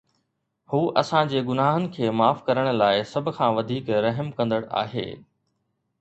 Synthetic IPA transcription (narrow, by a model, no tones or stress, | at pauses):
huːʔɐsãd͡ʑeːɡʊnaːɦənɪ̆kʰeːmaːfkɐɾəɽ̃̆laːɪsɐbʱʊ̆kʰãːʋɐd̪ʱiːkɾɐɦmkɐ̃nd̪əɽa̰ːɦḛː